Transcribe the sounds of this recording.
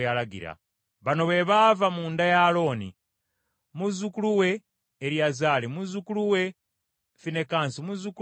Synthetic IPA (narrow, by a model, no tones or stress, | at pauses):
alaɡḭɾa̰ | βano̞βe̞βavamuːndajalo̞ːnḭ | muzukuluwe̞ː | ɾjazaːlimuzukuluwe̞ | fine̞kaːnsimuzuku